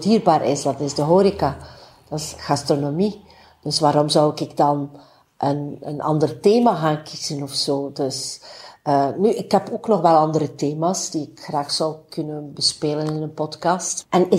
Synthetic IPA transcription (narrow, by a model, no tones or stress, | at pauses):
diːrbaːɾʔɪsdɑtɪzdəɦoːɾika | d̥ɑtɪsɣastronomi | d̥ɵsʋaːɾɔmzɔwɪkɪɡdɑn | ʔənə̰nʔɑ̰ndərteːmaɣaːnkʰiz̥ənɔfsoːdɵs | əːnyʔɪkɦɛpoːknɔxʋɛlˠɑndəɾəteːmaːsd̥iɪkxraːxsɔwkɵnənbəspeːlənɪnənpɔtkɑːstʔɛnɪ